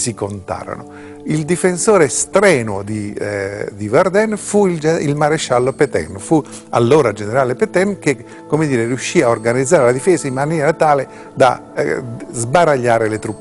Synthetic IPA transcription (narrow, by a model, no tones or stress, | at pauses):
sikont̪a̰ːɾo̰no̰ | ild̪ifensoːɾeːst̪ɾɛːnod̪i | d̪ivard̪ɛnfuild͡ʒilmaɾeʃalːopet̪ɛ̰nfu | a̰lːoːɾad͡ʒeneɾaːlepɛt̪ɛnk̟e | kːomed̪iːɾeriuʃːiaorɡanid̪zːaːɾelad̪ifɛːsaimːanjɛːɾat̪aːle | d̪a̰ | zbaɾaʎːaːɾelet̪ɾupː